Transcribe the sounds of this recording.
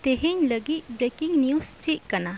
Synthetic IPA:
t̪eɦiɲləɡit̪̚bɾekiŋniust͡ʃiʔ̪̚kana

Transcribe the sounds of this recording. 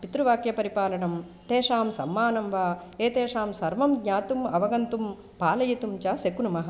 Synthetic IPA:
pit̪ɾuʋaːkjɐpɐɾipaːlɐɳɐm | t̪eːʂaːmsɐmːaːnɐmʋaːeːt̪eːʂaːmsɐɾʋɐmɡɲaːt̪umɐʋɐɡɐnt̪um | paːlɐjit̪umt͡ʃaːsekunumɐɦɐ

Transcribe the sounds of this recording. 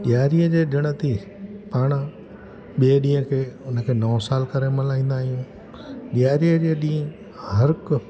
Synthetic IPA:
ɠjaːɾiəd͡ʑeːɗɪɽ̃ət̪ʰi | paːɽ̃ | ɓeːɗĩːə̃kʰeːʊnə̆kʰeːnɔːsaːlkɐɾemɐlaːĩːn̆d̪aːɦijũː | ɠɪjaːɾiəd͡ʑeːɗĩːə̃ | hɐɾk

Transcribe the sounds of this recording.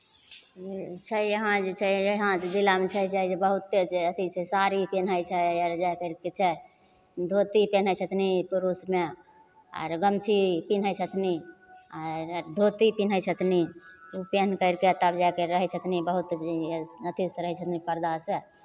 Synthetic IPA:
t͡ʃʰəəɦãd͡ʒet͡ʃʰɛɦãt̪d̪ilamet͡ʃʰaɦit͡ʃaid͡ʒebəɦut̪ːet͡ʃeət̪ʰit͡ʃʰɛsaɾipenəjt͡ʃʰɛəɾd͡ʒajkəɪɾket͡ʃʰɛ | d̪ʱot̪ipen̤əjt͡ʃʰət̪nipuɾusme | a̰ɾɡəmt͡ʃʰipinɦəjt͡ʃʰət̪ʰniaɾd̪ʱot̪ipinət͡ʃʰət̪niupenkəɪɾket̪əbd͡ʒakeɾəɦɛt͡ʃʰət̪ʰnibəɦut̪nət̪ʰisɾəɦɛt͡ʃʰət̪nipəɾd̪ase

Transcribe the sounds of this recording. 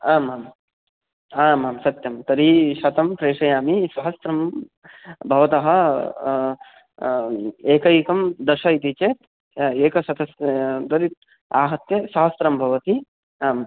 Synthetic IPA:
aːmaːm | aːmaːmsɐt̪jɐmt̪ɐɾiʃɐt̪ɐmpɾeːʂɐjaːmisɐɦɐsɾɐm | bʱɐʋɐt̪ɐɦɐ̆ | eːkɐjikɐmd̪ɐʃɐit̪it͡ʃeːt̪ | eːkɐsɐt̪ʰɐst̪ɐɾit̪̚ | aːɦɐt̪jɐsɐɦɐsɾɐmbʱɐʋɐt̪i | aːm

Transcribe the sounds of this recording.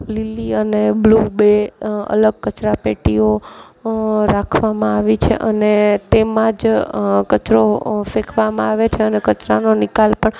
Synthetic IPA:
liliəneblubeə̰ləɡ̚kət͡ʃɾapeʈio | ɾakʰʋamãaʋit͡ʃʰḛʔənet̪emãd͡ʒkət͡ʃɾofekʰʋamãaʋet͡ʃʰeənekət͡ʃɾanonɪkalpəɳ

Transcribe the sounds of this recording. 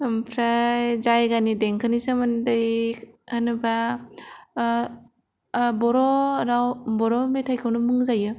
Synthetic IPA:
mpʰɾajzajɡanideŋkʰɯnisamandajanɯba | bɔɾɔɾawbɔɾɔmetʰajkʰɯwnɯmɯŋzajɯ

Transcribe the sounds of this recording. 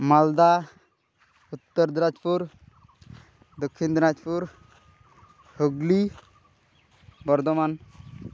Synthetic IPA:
mald̪a | ut̪ːɔɾd̪ɾad͡ʒpuɾ | d̪okʰːind̪ɾad͡ʒpuɾ | hoɡli | bɔɾd̪ɔman

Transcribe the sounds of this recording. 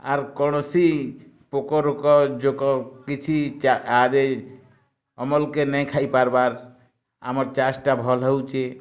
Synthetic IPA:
a̰ɾkɔɽ̃ɔsi | pokɔɾokɔd͡ʒokɔkit͡ʃʰit͡ʃaad̪e | ɔmɔlkenɛ̃jkʰaipaɾbaɾ | a̰mɔɾt͡ʃasʈabʱɔlɦɔwt͡ʃe

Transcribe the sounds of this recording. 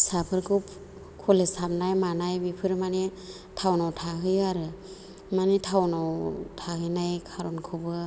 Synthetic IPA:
sapʰɯɾkʰup | kʰɔlesabnajmanajbipʰɯɾmane | tʰawnawtʰaɦɯjaɾɯ | manitʰawnawtʰahɯjnajkʰaɾɔnkʰɯbɯ

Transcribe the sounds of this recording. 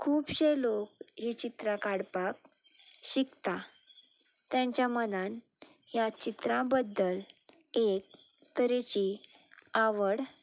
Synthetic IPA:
kʰuːpɕelok̚ɦit͡ɕit̪ɾakaɽpak̚ | ɕikt̪a | t̪jãɲt͡ɕjamənan | jat͡ɕit̪ɾãbəd̪ːəlek̚ | t̪əɾet͡ɕi | aʋəɽ

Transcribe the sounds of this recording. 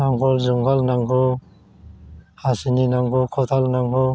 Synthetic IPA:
naŋɡɔlzuŋɡalnaŋɡɔ | hasininaŋɡukʰɔt̪ʰalnaŋɡɔ

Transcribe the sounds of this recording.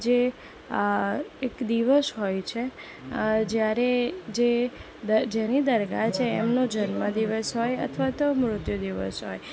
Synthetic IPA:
d͡ʒe | ekd̪iʋəsɦojt͡ʃʰe | d͡ʒjaɾed͡ʒe | d̪əd͡ʒenid̪əɾɡat͡ʃʰeːmnod͡ʒənməd̪iʋəsɦojə̰t̪ʰʋat̪omɾʊt̪jud̪iʋə̰sɦo̰j

